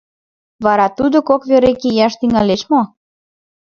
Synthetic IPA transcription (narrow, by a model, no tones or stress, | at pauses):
βɑɾɑt̪ud̪okokβʲøɾekejɑʃt̪yŋæleʃmo